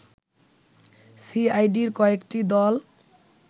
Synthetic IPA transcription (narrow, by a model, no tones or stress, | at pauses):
siajɖiɾkɔekʈid̪ɔl